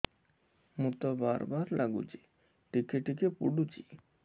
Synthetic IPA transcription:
mut̪ɔbaɾbaɾlʔaɡṵt͡ɕi | ʈikeʈikepṵɖut͡ɕi

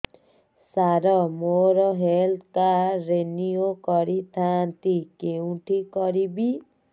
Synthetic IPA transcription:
saɾɔmoɾɔɦelkaɾeniokɔɾit̪ʰant̪ikeũʈʰikɔɾibi

